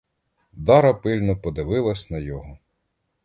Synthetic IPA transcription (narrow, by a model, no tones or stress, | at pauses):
d̪ɑɾɐpɪlʲnɔpɔd̪ɪʋɪlˠɐsʲnɐjɔɦɔ